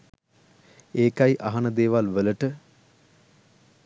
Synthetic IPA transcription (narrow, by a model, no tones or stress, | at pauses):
eːkajʔaɦanəd̪eːʋalʋələʈə